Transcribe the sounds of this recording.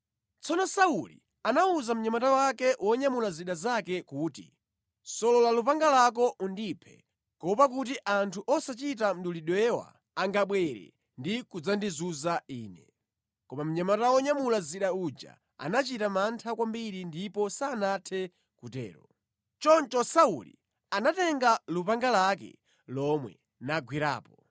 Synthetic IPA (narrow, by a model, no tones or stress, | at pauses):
t͡sʰɔnɔsaulḭ | anauzam̩ɲamatawakɛwʔɔɲamulaziɗazakɛkuːtḭ | sɔlɔlalupaŋɡalak̬ɔʔundipʰɛ̰ | kɔpakut̬iʔantʰuʔɔsat͡ʃit̬am̩ɗuliɗwɛwa̰ | aŋɡaɓwɛɾɛ̰ | ndikud͡zandizuzaiːnɛ | kɔmam̩ɲamataɔɲamulaziɗaud͡ʒa̰ | a̰nat͡ʃitamantʰakwambiɾindipɔsaːnatʰɛ | kutɛ̰ːɾɔ | t͡ʃɔnt͡ʃɔsaṵlḭ | anatɛŋɡalupaŋɡalakɛ̰ | lɔmwɛ̰ | naɡwiɾa̰ːpɔ